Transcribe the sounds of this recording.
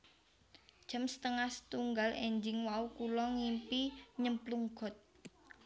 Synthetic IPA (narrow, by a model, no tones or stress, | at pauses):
d̥ʒ̥ə̤msə̥t̪əŋast̪uŋɡalʔɛɲd͡ʒɪŋwaukulɔŋimpiɲəmpluŋɡ̥ɔ̤t̪̚